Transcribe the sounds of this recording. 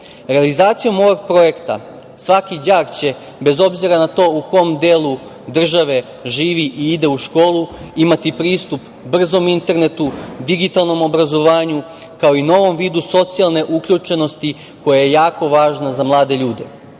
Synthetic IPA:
ɾe̞alizaːt̪sijo̞mo̞ʋoɡ̚pɾo̞je̞kt̪a̰ | sʋakid͡ʑaːɡt͡ɕe̞ | be̞zo̞bziɾanat̪o̞ːuko̞md̪eːlˠu | d̪r̩ʒaʋe̞ | ʒiːʋiʔiid̪e̞uʃko̞ːlˠuimat̪ipɾiːst̪up | br̩zo̞mint̪e̞ɾne̞t̪ud̪iɡit̪alˠno̞mo̞bɾazo̞ʋaːɲu | kao̞ino̞ʋo̞mʋiːd̪uso̞t̪sialˠne̞ʔukʎʲut͡ʃe̞no̞st̪i | ko̞jaje̞jaːko̞ʋaːʒnazamlˠaːd̪e̞ʎuːd̪e̞

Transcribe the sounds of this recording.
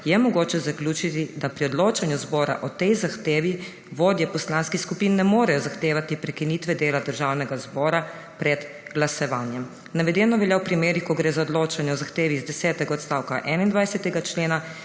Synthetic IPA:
jɛmɔɡoːt͡ʃɛzaklʲjuːt͡ʃit̪id̪apɾiɔd̪loːt͡ʃanjuzbɔːɾa̰ʔɔt̪ɛjzaxt̪eːʋi | ʋoːd̪jɛpɔslanskixskupinːɛmoːɾɛjɔzaxt̪eːʋat̪ipɾɛkiniːt̪ʋɛd̪eːlad̪əɾʒawnɛɡazbɔːɾa | pɾɛd̪ | ɡlasɔʋaːnjɛm | naʋɛd̪ɛːnɔʋɛljawpɾimeːɾixkɔɡɾeːzaɔd̪loːt͡ʃanjɛɔzaxt̪eːʋizd̪ɛsɛːt̪ɛɡaɔt̪st̪aːwkaʔɛːnaind̪ʋajsɛt̪ɛɡat͡ʃleːna

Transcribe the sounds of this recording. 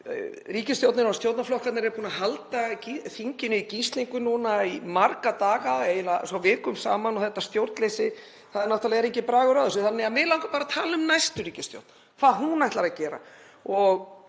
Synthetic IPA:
riːcɪst̪jowt̪nɪɾast̪jowɾt̪naflɔhkat̪nɪɾɛɾpʰuːnaɦalt̪aciθiɲcɪnʏicist̪liŋkʏnunaimaɾkat̪aːɣaejlasɔwvɪːkʏmsa̰ːmanɔɣθɛht̪ːast̪jowɾt̪lesɪ | θaðɛɾnawt̪alɛɣɛɾejɲcɪpɾaːɣʏɾaðʏs̬ɪθanːɪɣamɪlawŋkʏpaːɾat̪ʰaːlaʏmnajst̪ʏɾiːcɪst̪jo̰wt̪n | kʰv̥aːðɦunajht̪laɾacɛːɾa̰ | ɔɣ

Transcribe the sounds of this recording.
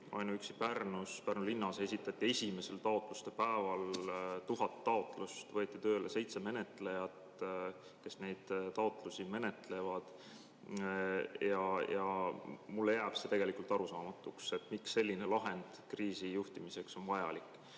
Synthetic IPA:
ɑ̰jnuyksipærnuspærnulinːɑse̞sʲit̪ːˑɑt̪ʲːie̞sʲime̞se̞lt̪ɑo̞t̪ˑlust̪e̞pæevɑlt̪uɦɑt̪ːɑo̞t̪ˑlust̪vɤet̪ːˑit̪ø̞ːlese̞jt̪se̞me̞ne̞t̪le̞jɑt̪ | ke̞sne̞jd̪̥t̪ɑot̪ˑlusime̞ne̞t̪ˑle̞vɑd̪̥ | jɑjɑmulːejæːb̥set̪e̞ɡe̞likult̪ˑɑɾusɑːmɑt̪ːˑukse̞t̪ːmiksːe̞lʲːine̞lɑɦe̞nd̪̥kriːsijuht̪imise̞kso̞nvɑjɑ̰likːˑ

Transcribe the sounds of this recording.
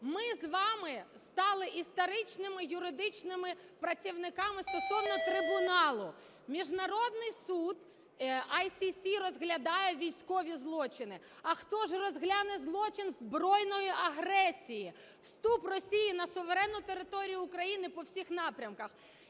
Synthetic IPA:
mɪzʋɑmɪst̪ɑlˠɪʔist̪ɔɾɪt͡ʃnɪmɪjʊɾɪd̪ɪt͡ʃnɪmɪ | pɾɐt͡sʲiwnɪkɑmɪst̪ɔsɔwnɔt̪ɾɪbʊnɑlˠʊ | mʲiʒnɐɾɔd̪̚nɪjsud̪ | ɐjsʲisʲiɾɔzɦlʲɐd̪ɑjɛʋʲijsʲkɔʋʲizlˠɔt͡ʃɪnɪ | ɐxt̪ɔʒrɔzɦlʲɑnɛzlˠɔt͡ʃɪnzbɾɔjnɔjiʔɐɦɾɛsʲiji | w̥st̪uprɔsʲijinɐsʊʋeɾɛnːʊt̪eɾɪt̪ɔɾʲijʊːkɾɐjinɪpɔwsʲixnɑpɾʲɐmkɐx

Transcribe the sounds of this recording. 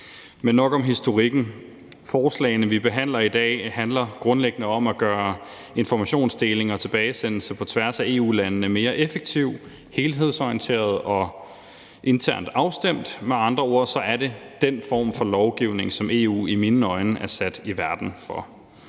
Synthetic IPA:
menːɒ̽ɡ̥ɒ̽mɦisd̥o̝ʁiɡ̥n̩ | fɒːslɛ̰ɪnəʋib̥e̝ɦæn̰lɐid̥ɛ̰ːhænlɐɡ̥ʁɔ̽nleɡ̥ənəɒ̽mæɡ̥ɶːɐ | e̝nfɒmæɕo̝̰ːnsd̥e̝ːle̝ŋɒ̽t͡sʰe̝b̥ɛːɪsen̰l̩səpʰɒ̽t͡sʰʋæɐsæe̝̰ːṵːlænnəme̝ːɐʔefeɡ̥̚t͡sʰiʊ̰ | he̝ːlɦe̝ð̞̰ˠsɒiənt͡sʰe̝̰ːɐð̞ˠɒ̽ | ʔe̝nt͡sʰæɐ̰nd̥ɑ̈ʊsd̥em̰d̥meɑ̈nd̥ʁɐo̝ɐ̰sɒ̽ʔæɐɾe̝d̥enfɒ̰ːmfɒ̽lɒʊɡ̥iʊ̰ne̝ŋsɒ̽mʔe̝ːṵːiminɒ̽ɪnəʔæɐsæd̥iʋæɐd̥n̩fɒ̽

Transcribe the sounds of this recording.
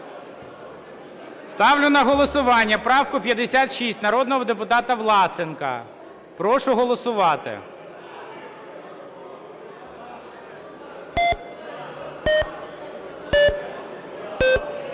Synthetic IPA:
st̪ɑwlʲʊnɐɦɔlˠɔsʊʋɑnʲːɐpɾɑwkʊpʲjɐd̪esʲat̪ʃisʲtʲnɐɾɔd̪nɔɦɔd̪epʊt̪ɑt̪ɐʋlˠɑsɪnkɐ̰ | pɾɔʃʊɦɔlˠɔsʊʋɑt̪ɪ̰

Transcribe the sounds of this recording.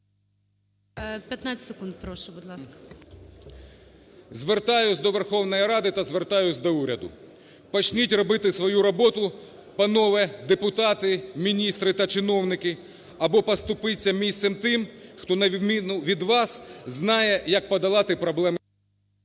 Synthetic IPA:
pʲjɐt̪nat͡sʲsekund̪̚pɾɔʃʊbʊd̪lˠɑskɐ̥ | zʋert̪ɑjʊsʲd̪ɔʋerxɔwnɔjiɾɑd̪ɪt̪ɐzʋert̪ɑjʊsʲd̪ɔuɾʲɐd̪ʊ̰ | pɔt͡ʃnʲitʲrɔbɪt̪ɪsʋɔjuɾɔbɔt̪ʊ | pɐnɔʋɛd̪epʊt̪ɑt̪ɪmʲinʲist̪ɾɪt̪ɐt͡ʃɪnɔwnɪkɪ | ɐbɔpɐst̪ʊpɪt͡sʲːɐmʲist̪sɛmt̪ɪmxt̪ɔnɐmʲinʊʋʲid̪ʋɑsznɑjɛjɐk̚pɔd̪ɐlˠɑt̪ɪpɾɔblˠɛm

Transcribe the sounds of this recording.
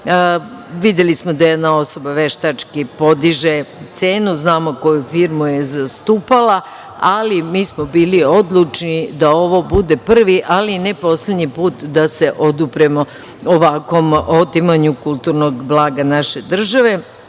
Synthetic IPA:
ʋid̪e̞lismo̞d̪ajed̪nao̞so̞baʋe̞ʃt̪at͡ʂkipo̞d̪iʒe̞t̪se̞ːnuznaːmo̞ko̞jufiɾmujezast̪uːpala | alimiːsmobiːlio̞d̪lˠut͡ʃnid̪ao̞ʋo̞bud̪e̞pr̩ʋiʔalinɛpo̞sled̪ɲipuːt̪d̪ase̞ʔo̞d̪upɾemo̞ | oʋakʋo̞mot̪imaɲukulˠt̪uɾno̞ɡblˠaːɡanaʃe̞d̪r̩ʒaʋe̞

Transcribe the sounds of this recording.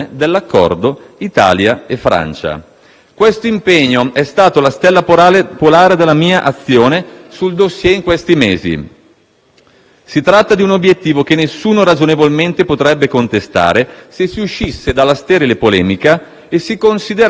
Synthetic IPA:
ed̪elːakːɔ̰rd̪o | it̪a̰ːljaefːɾa̰nt͡ʃa̰ | kwest̪oimpeɲːoɛst̪aːt̪olast̪ɛlːapalepolaːɾed̪elːamiːaʔat̪sːjoːnesuld̪osːjɛiŋkwest̪imeːzḭ | sit̪ɾat̪ːad̪iunobjet̪ːiːvokenːesːuːnoɾad͡ʒonevolment̪epot̪ɾɛbːekont̪est̪a̰ːɾesesːiuʃːisːed̪alːast̪ɛːɾelepolɛ̰ːmika | esikonsid̪eɾ

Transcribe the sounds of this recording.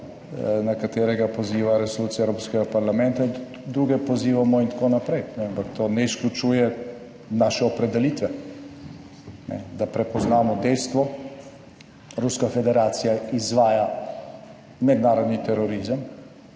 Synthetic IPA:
nakat̪eːɾɛɡapɔziːʋaɾɛsoluːt̪sijaɛwɾoːpskɛɡapaɾlamɛnt̪a | d̪ɾuːɡɛpɔziːʋamɔint̪akoːnapɾejnɛampakt̪ʰoːnɛisklʲut͡ʃuːjɛ | naʃɛɔpɾɛd̪ɛliːt̪ʋɛ | nɛ̰d̪apɾɛpɔznaːmɔd̪ɛjst̪ʋɔ | ɾuskafɛd̪ɛɾaːt̪sijaizʋaːja | mɛd̪naːɾɔd̪nit̪ɛɾɔɾizəm

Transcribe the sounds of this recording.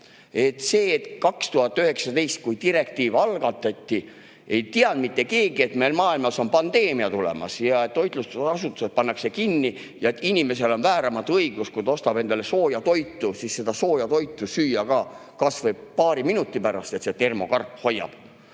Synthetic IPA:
e̞t̪ːse̞ːt̪kɑkst̪uhɑt̪ːˑyhe̞ksɑt̪e̞jst̪̚kujt̪iɾe̞kt̪iːvɑlɡ̥ɑt̪ːˑɑt̪ʲːi | e̞jt̪iɑnd̪̚mit̪ːe̞ke̞ːɡ̥ie̞t̪me̞jlmɑːilmɑso̞npɑnd̪̥e̞ːmiɑt̪ulḛmɑ̰sjɑet̪t̪ːo̞jt̪lusɑsut̪ːˑu̥set̪̚pɑnːɑkse̞kinːi | jɑet̪ːinʲime̞se̞lo̞nvæːɾɑmɑt̪ɤiɡ̥uskujt̪ost̪ɑb̥e̞nd̪ɑle̞so̞ːjɑt̪o̞jt̪ːusiːsse̞d̪̥ɑso̞ːjɑt̪o̞jt̪ˑːusyːjɑkɑ | kɑsvɤjb̥pɑːɾiminut̪ˑːipæɾɑst̪e̞t̪se̞t̪e̞rmo̞kɑrpːho̞jːɑ̰b̥

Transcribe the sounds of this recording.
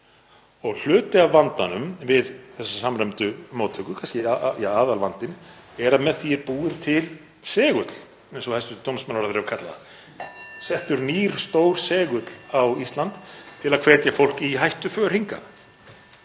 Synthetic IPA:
ɔɣl̥ʏːt̪ɪavːant̪anʏmvɪðθɛsːasamrɛmt̪ʏmoːwt̪ʰʏkʏkʰanscɪjaaːðalvant̪ɪn | ɛɾamɛðθiɾpuːɪɾ̥t̪ʰɪl | sɛːɣʏt̪l̥ | ɛnsɔhɛst̪ʏt̪ʰowmsmanaɾaðɾɛvkʰat̪la̰ða̰ | sɛht̪ʏɾniːɾ̥st̪owɾ̥sɛːɣʏt̪l̥awist̪lant̪t̪ʰːɪlaðkʰvɛːt̪jafowl̥kiɦajht̪ʏfœːɾ̥hiŋka̰

